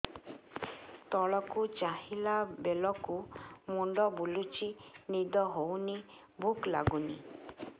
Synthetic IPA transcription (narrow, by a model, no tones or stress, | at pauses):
t̪ɔɭɔkut͡ʃaɦilabelɔkumuɳɖɔbulut͡ʃinid̪ɔɦowni | bʱukla̰ɡuni